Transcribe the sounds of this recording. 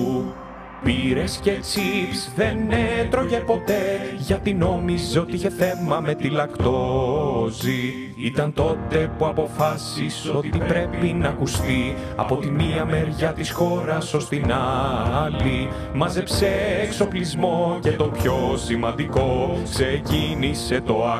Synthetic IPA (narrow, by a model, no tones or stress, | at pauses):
piɾe̞sce̞t͡sipsðe̞net̪ɾo̞ʝe̞po̞t̪e̞ʝɐt̪ino̞mizo̞t̪iiçe̞θe̞mɐme̞t̪ilɐkt̪o̞zi | it̪ɐnt̪o̞t̪e̞puɐpo̞fɐsiso̞t̪ipɾe̞pinɐkust̪i | ɐ̰po̞t̪imiɐme̞ɾʝɐt̪isxo̞ɾɐso̞st̪inɐli | mɐzepseːkso̞plizmo̞cet̪o̞pço̞simɐnd̪iko̞ksecinise̞t̪o̞